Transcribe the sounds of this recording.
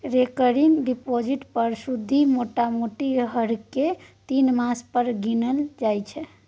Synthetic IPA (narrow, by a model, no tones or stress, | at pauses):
ɾekəɾiŋɡɖipod͡ʒiʈpəɾsud̪ʱːimoʈamoʈiɦəɽket̪inmaspəɾɡinəld͡ʒajt͡ʃʰɛ